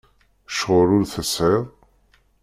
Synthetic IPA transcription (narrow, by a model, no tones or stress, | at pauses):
ʃʁʊɾʊɾθəsʕɪðˤ